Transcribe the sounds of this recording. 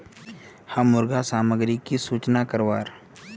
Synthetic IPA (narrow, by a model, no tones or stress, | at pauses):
hãmːʊɾɡʱasaːməɡɾikisuːt͡ʃnakəɾʋaːɾ